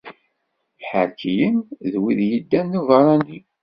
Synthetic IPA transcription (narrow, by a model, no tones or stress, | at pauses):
ħəɾkʰijəmðwiðjid̪ːænːuvɑɾˤɑni